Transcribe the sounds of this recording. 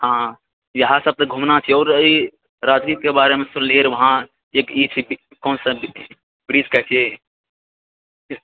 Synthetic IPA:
hã | jəɦãsəb̚t̪əɡʱumnat͡ʃʰiɔːɾəi | ɾad͡ʒnit̪̚kebaːɾemẽsʊnliəɾʋəɦã | ekit͡ʃʰi | kɔːnsə̃ | bɾiːd͡ʒkəɦt͡ʃʰije

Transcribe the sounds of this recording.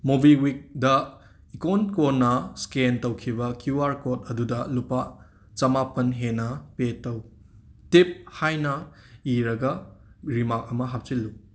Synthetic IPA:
mubiwik̚dɐ | ikonkonːɐskentɐwkʰibɐkjuaɾkotɐdudɐlupːa | t͡ʃɐmapɐnɦenɐpetːɐw | tip̚hajnɐ | iɾɐɡɐɾimak̚ɐmɐɦap̚t͡ʃilːu

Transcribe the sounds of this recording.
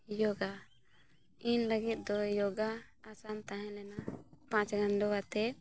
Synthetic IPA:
jɔɡa | inləɡit̪̚ˀd̪ɔjɔɡaːsant̪ãɦɛ̃lɛnapãt͡ʃɡanɖɔwat̪ɛ

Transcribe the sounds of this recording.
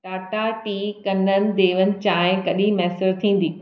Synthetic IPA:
ʈaːʈaʈiːkɐnənɪ̆d̪eːʋənɪ̆t͡ɕãːɦɪ̃kɐɗimɛːsəɾt̪ʰĩːn̆d̪iː

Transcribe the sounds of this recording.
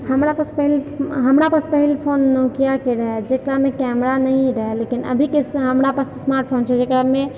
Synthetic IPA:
həmɾapəspəɦilɦəmɾapəspəɦilpʰonːɔkijakeɾəɦɛd͡ʒekɾamekɛmɾanəɦĩɾəɦɛlekinə̰bʱikesɦəmɾapəssmaɾʈ̚pʰont͡ʃʰɛd͡ʒekɾame

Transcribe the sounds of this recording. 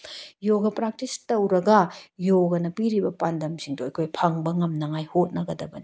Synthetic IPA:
joɡɐpɾak̚tistɐwɾɐɡɐjoɡɐnɐpiɾibɐpandɐmsiŋdoɐjkʰojpʰɐŋbɐŋɐmnɐŋajhot̚nɐɡɐdɐbɐni

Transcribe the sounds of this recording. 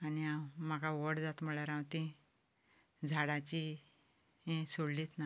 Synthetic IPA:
aniamakaʋəɽd͡zat̪m̤əɭaɾãwt̪ĩ | d͡zʱaɽat͡ɕi | ɦẽsoɽlit̪na

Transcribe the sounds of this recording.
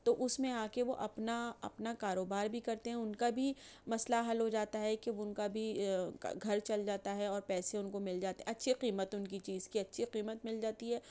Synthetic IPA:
t̪oʔʊsmẽaːkeʋoʔɐpnaɐ̰pnakaːɾoːbaːɾbʱikɐɾt̪eɦɛ̃ʊnkabʱimɐslaɦɐlɦod͡ʒaːt̪aɦɛkeʊnkabʱḭ | ɡʱɐɾt͡ʃɐld͡ʒaːt̪aɦɛɔːɾpɛːsẽʊnkomɪld͡ʒaːt̪eɦɛ̃ɐtːʃʰiqiːmət̪ʊnkit͡ʃiːzkiɐtːʃʰiqiːmət̪mɪld͡ʒaːt̪iɦɛː

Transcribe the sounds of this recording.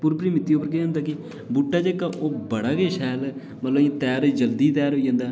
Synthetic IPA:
puːɾpəɾiːmɪt̪ːiːopəɾkeːəːnd̪aːkɪ | buːʈːaːd͡ʒeːkaːʔoːbəɽaːkeːʃɛːl | mət̪lə̃ːt̪ɛːɾd͡ʒəld̪iːt̪ɛːɾɦoːiːd͡ʒãːnd̪aː

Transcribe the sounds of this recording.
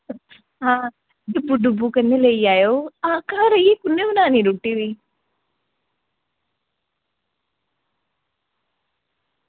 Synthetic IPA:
ɦãː | ɖubːuɖubukɐnːeleiaːjoakaɾɐjekʊnːeunaːniɾuʈːiʋi

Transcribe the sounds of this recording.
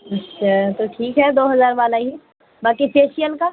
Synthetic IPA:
ɐtːʃʰaːt̪oʈʰiːkɦɛd̪oːɦɐzaːɾʋaːlaɦi | baːkipeːʃijəlka

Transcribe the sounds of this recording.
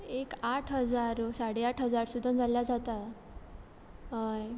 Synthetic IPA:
ekaʈʰɦəd͡zaɾsaɽeaʈɦəd͡zaɾsud̪ʱənd͡zaljad͡zat̪a | ɦaj

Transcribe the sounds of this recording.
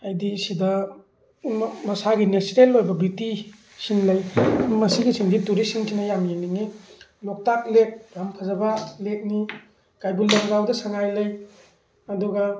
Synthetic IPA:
ajdisidɐ | mɐsaɡinesɾelːojbɐbiti | sinlɐjmɐsiɡisiŋdiduɾisiŋsʰinɐjamjeniŋilɔk̚tak̚lek̚ɾampʰɐzɐbɐlek̚ni | kajbulːɐmɡawdɐsaŋajlɐj | ɐdɔɡɐ

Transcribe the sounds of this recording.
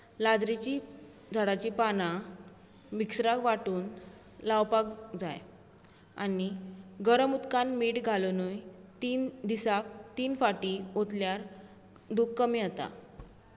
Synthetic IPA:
lad͡zɾit͡ɕi | d͡zʱaɽat͡ɕipanã | miksɾakʋaʈuːn | laʋpakd͡zaj | a̰niɡəɾəmut̪kanmiʈɡʱalonujt̪iːnd̪isak̚t̪iːnfaʈiot̪ljaɾ | d̪ukːəmiat̪a̰

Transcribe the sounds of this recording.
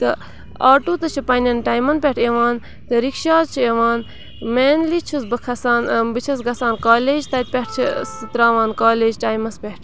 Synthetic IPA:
t̪ɐ | aːʈuːt̪ɐt͡ʃʰipɐnʲɐnʈaːjmɐnpeʈʰeʋaːn | t̪ɐɾikʃaːt͡ʃʰieʋaːn | meːnlit͡ʃʰusbɐkʰɐsaːnbɨt͡ʃʰɐsɡɐsaːnkaːleːd͡ʒt̪ɐt̪̚ʲpeʈ̚ʰt͡ʃʰisɨt̪ɾaːʋaːnkaːleːd͡ʒʈaːjmɐspeʈʰ

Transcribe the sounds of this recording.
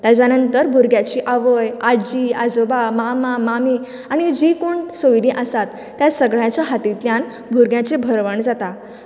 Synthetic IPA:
t̪jat͡ɕanənt̪əɾbʱuɾɡjat͡ɕiːʔaʋəjad͡ʑiːad͡zobamamamamiː | aɽ̃id͡ʑikuɳsojɾĩʔəsat̪ːjasəɡɭjat͡ɕjaɦat̪it̪ljãn | bʱuɾɡjat͡ɕebʱəɾʋəɳd͡zat̪a

